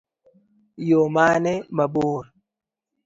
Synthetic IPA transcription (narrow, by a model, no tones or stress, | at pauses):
jomaːnɛmaboːɾ